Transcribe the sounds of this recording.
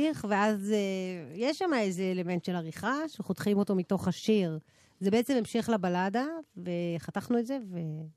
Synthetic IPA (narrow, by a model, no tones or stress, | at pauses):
iχveazejeʃːamaezeːleme̞ntʃelaʁiχaʃeχotχimo̞to̞mito̞χaʃiʁ | zebeet͡sememʃeχlabaladave̞χataχnuetzeve